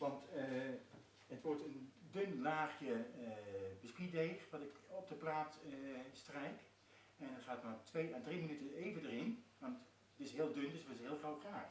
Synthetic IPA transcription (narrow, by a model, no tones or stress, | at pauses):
ʋɑnt | ətʋɔɹtəndønlaːχjə | bəspideːχʋɑtɪkɔb̚dəplaːtstrɛjk | ɛnɔχaːətmatʰʋejadrimənytəejvədərɪnʋɑnt | ətɪsɦɪəlˠdøndɵstɪsɦɪːlˠχrawχraːχ